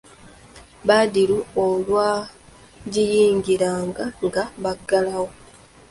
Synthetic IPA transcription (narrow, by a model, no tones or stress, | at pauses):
βadiɾuolwaː | ɟijiːŋɡiɾaːŋɡaŋɡaβaɡːalawo